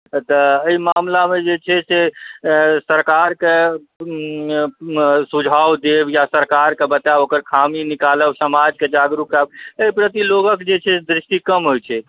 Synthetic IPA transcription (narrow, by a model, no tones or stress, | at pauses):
t̪əəimamlamed͡ʒet͡ʃʰɛse | səɾkaɾke | sud͡ʒʱawd̪ebjasəɾkaɾkebət̪aokəɾkʰaminikaləbsəmad͡ʒked͡ʒaɡɾukɛbəipɾət̪iloɡəkd͡ʒet͡ʃʰɛd̪ɾɪʃʈikəmɦojt͡ʃʰɛ